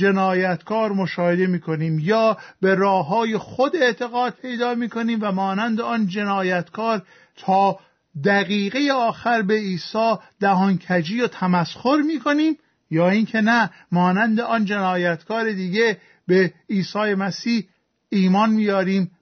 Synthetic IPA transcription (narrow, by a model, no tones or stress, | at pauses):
d͡ʒe̞nɒːjæt̪kʰɒːɾmo̞ʃɒːhe̞d̪e̞miːkʰo̞niːmjɒːbe̞ɾɒːɦɒːjexod̪e̞ʔt̪ʰe̞ɣɒːd̪̥̚pʰe̞jd̪ɒːmiːkʰo̞niːmvæmɒːnænd̪eɒnd͡ʒe̞nɒːjæt̪kʰɒːɾ | t̪ʰɒː | d̪æɣiːɣejeɒːxæɾbe̞iːsɒːd̪̥æɦɒŋcʰæd͡ʒiːjot̪ʰæmæsxoɾmiːkʰo̞niːm | jɒːinkʰe̞næ | mɒːnænd̪eɒnd͡ʒe̞nɒːjæt̪kʰɒːɾe̞d̪iːɡe̞ | beiːsɒːjemæsiːh | iːmɒːnmiːjɒːɾiːm